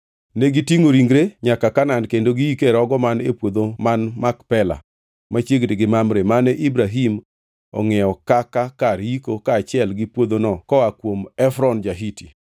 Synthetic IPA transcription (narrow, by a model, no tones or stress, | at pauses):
neɡitiŋoɾiŋɡɾeɲakakanandkendoɡiikeɾɔɡɔmanepwod̪omanmakpɛla̰ | mat͡ʃjeɡdeɡɪmamɾemanɛʔibɾaɦim | ɔ̰ŋɛɔkakakaɾikokaːt͡ʃɪɛlɡɪpwod̪onɔkɔakwomɛfɾɔnd͡ʒaɦiti